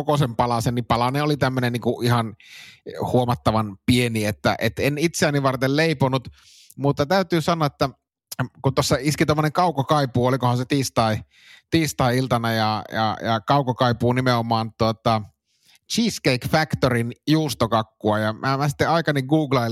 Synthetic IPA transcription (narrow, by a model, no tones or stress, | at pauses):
okosempɑlɑsennipɑlɑneolit̪æmːønenniːŋkuʔihɑn | huomɑt̪ːɑʋɑnpieniet̪ːæ̰ʔḛt̪enit̪seæːnːiʋɑrt̪elleiponut̪ | mut̪ːɑt̪æyt̪yːsɑnːˑoɑet̪ːæ | kut̪osːɑiskit̪omːoneŋkɑˑukːɑkɑipuolikohɑnset̪iːst̪ɑˑi | t̪iːst̪ɑˑiilt̪ɑnɑjɑjɑ̰jɑ̰kɑukːokɑipˑuːnimeomˑɑːnt̪uot̪ɑ | t͡ʃiːskeikfækt̪orinjuːst̪okɑkːuɑjɑmæmæsi̥t̪ːeɑikɑniɡɡuːɡlɑi